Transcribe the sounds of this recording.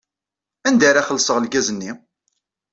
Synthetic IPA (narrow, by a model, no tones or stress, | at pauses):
ænd̪aɾaχəlːsəʁəlɡæzənːi